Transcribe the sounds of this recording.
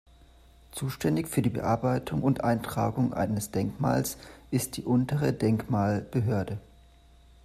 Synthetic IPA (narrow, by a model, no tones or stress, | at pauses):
t͡suːʃtɛndɪçfyːɐdiːbə̰ʔaɐbaɪtʰʊŋʊntʔaɪntʁ̥a̰ːɡʊŋʔa̰ɪnəsd̥ɛŋkma̰ːlsʔɪst̚d̥iːʔʊntəʁ̞ədɛŋkmaːlb̥əɦøːɐdə